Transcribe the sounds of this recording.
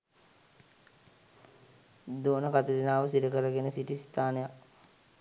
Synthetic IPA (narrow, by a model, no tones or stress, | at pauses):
d̪oːnəkat̪ud̪inaːʋəsiɾəkəɾəɡenəsiʈist̪ʰaːnəjak